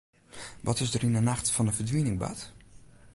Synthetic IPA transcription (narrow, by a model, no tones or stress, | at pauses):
ʋɔtɪsdərinənaxtfɔnəfədʋinɪŋba̰t